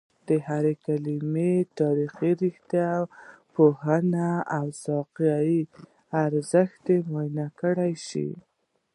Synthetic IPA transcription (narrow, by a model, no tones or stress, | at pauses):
d̪̥əhaɾekalimet̪ɑɾixiɾixt̪jaw | pohanaawsɑqjɑji | aɾzəxt̪emajnakəɽajʃḭ